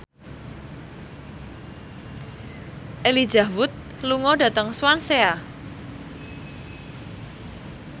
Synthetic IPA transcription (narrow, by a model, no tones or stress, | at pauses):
ʔeli̥d͡ʒa̤wʊt̪̚ | luŋɔɖa̤t̪əŋswansea